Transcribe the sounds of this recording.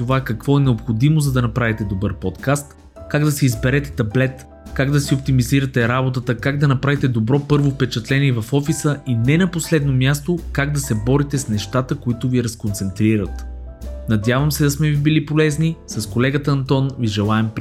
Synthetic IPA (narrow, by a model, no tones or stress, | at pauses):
t̪ovakɐkv̥ɔɛnɛopxod̪imozɐd̪ɐnɐpɾavit̪ɛd̪obɤɾpɔt̪kast̪ | kaɡd̪ɐsiizbɛɾɛt̪ɛ̥t̪ɐblɛt̪ | kaɡd̪ɐsiop̚t̪imiziɾət̪ɛɾabot̪ət̪əkaɡd̪ɐnɐpɾavit̪ɛd̪obɾɔpɤɾvofpɛt͡ʃɐt̪lɛniɛvɐfɔfisəinɛnɐposlɛd̪nomʲjast̪okaɡ̚d̪ɐsɛbɔɾit̪ɛsnɛʃt̪at̪əkoit̪ʊviɛɾɐskont̪sɛnt̪ɾiɾət̪ | nɐd̪ʲjavəmsɛd̪ɐsmɛvibilipolɛznisɐskolɛɡət̪əɐnt̪ɔnviʒɛlˠaɛmpɾ